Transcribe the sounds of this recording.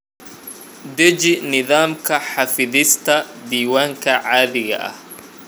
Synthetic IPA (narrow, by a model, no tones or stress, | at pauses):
d̪ɛd͡ʒɪnɪðaːmkʰɐħɑfɪðɪst̪ʰɐd̪iːwaːŋkʰɐʕaːðɪɣɐ̰ʔɐ̰h